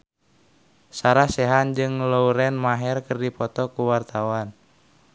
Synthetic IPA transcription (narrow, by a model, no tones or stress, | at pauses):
saɾahsɛɦand͡ʒɨŋlouɾɛnmaɦɛrkərdipɔt̪ɔkuwart̪awan